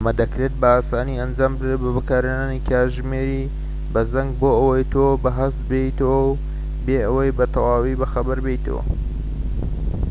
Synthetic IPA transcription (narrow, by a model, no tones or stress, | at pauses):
mɐd̪ɐkɾe̞t̪̚bɐaːsaːniɐnd͡ʒaːmbɨd̪ɾet̪̚bɐbɨkaːɾenaːnikʰaʒmeːɾi | bɐzɐŋɡ̚boːɐwɐjt̪ʰobɐɦɐst̪̚beit̪ɐwɐw | beːʔɐwɐjbɐt̪ʰɐwɑːwibɐxɐbɐɾbejt̪ɐ̰wɐ̰